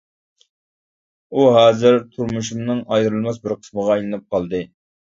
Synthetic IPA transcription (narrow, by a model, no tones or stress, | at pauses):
uɦɑːzɨɾt̪ʰuɾmuʃ̬umnɨŋɑjɾɨlˠmɑsbɪɾqʰə̥sməʁɑijlˠɨnɨp̚qʰɑlˠd̪ɨ